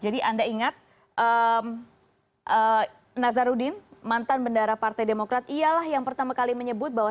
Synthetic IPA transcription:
d͡ʒadiʔandaiŋat̪̚ | ʔəm | ʔə | nazaɾudɪnmant̪anbəndaɾapart̪ajdemokɾat̪ialahjaŋpərt̪amakaliməɲəbʊt̪̚baɦwa

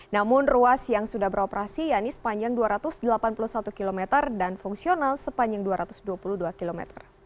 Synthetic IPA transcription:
namʊnruasjaŋsudahbəɾopɾasijanisə̥paɲd͡ʒaŋduaɾat̪ʊsdəlapanpulusat̪ukilomɛt̪ərdanfuŋsionalsəpaɲd͡ʒaŋduaɾʔat̪ʊ̥sduapuluhduakilomɛ̰t̪ə̰r

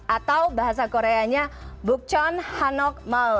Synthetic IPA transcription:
at̪awbaɦasakoɾeaɲabuk̚t͡ʃɔnhanɔk̚maw

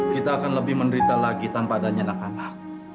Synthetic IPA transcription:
kit̪aːkanləbɪhməndəɾit̪alaɡit̪anpaːdaɲanak̚anak̚

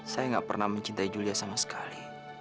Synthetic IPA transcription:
sajaŋɡa̰ʔpə̰rnahməɲt͡ʃint̪aid͡ʒuliasamasə̥kʰali

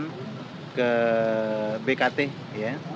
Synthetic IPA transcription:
n | kə | bekat̪eh | ja

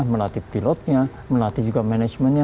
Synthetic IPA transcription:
məlat̪ipilɔt̪̚ɲa | məlat̪id͡ʒuɡamɛnɛd͡ʒmɛnɲa

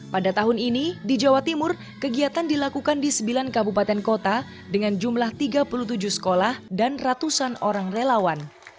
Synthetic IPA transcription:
padat̪aɦʊninidid͡ʒawat̪imʊr | kəɡiat̪andilakukandisəmbilankabupat̪ɛnkot̪a | dəŋand͡ʒumlaht̪iɡapulut̪ud͡ʒʊhsə̥kolahdanrat̪usanoɾaŋrelawan

